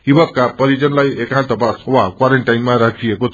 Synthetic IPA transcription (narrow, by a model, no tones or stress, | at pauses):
ibʌb̚kapʌɾid͡zʌnlajekãnt̪ʌpaswakwaɾeɳʈajnmaɾat͡siekot̪